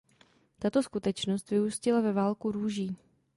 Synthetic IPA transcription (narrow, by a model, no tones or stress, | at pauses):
t̪at̪o̞skut̪ɛt͡ʃno̞st̪vɪuscɪlavɛvaːlkuɾuːʒiː